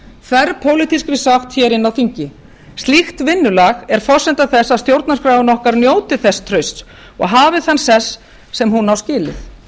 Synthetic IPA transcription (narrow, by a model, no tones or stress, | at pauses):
kʰvɛɾpʰowlit̪iskɾɪsaxt̪çɛːɾɪnːawθiɲcɪ | st̪lixt̪vɪnːʏlaɣɛɾ̥fɔsːɛnt̪aθɛsːaðst̪jowɾt̪naskɾaːwɪnɔhkaɾnjoːwt̪ɪθɛst̪ʰɾœɥst̪ | ɔ̰ɣɦaːvɪθanːsɛsː | ɛmɦunːawscɪːlɪ̰θ